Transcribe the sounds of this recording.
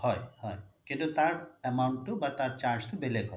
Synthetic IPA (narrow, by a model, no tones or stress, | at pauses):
hɔjhɔjkĩnt̪ut̪aɾemawɳʈːubɐɾt̪aɾt͡ʃaɾd͡ʒt̪ubelekɔ